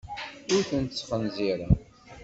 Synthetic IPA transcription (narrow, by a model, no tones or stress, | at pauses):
ʊɾθənt̪ət͡sːfənziɾa